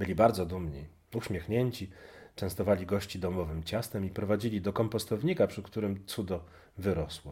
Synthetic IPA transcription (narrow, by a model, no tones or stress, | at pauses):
bɘlʲibaɾd̪zɔd̪umɲḭ | uɕmʲjexɲeɲt͡ɕit͡ʂɛ̃w̃st̪ɔvalʲiɡɔɕt͡ɕid̪ɔmɔvɘmt͡ɕast̪ɛmipɾɔvad͡ʑilʲid̪ɔkɔmpɔst̪ɔvɲikapʂɘkt̪uɾɘmt̪sud̪ɔ | vɘɾɔswɔ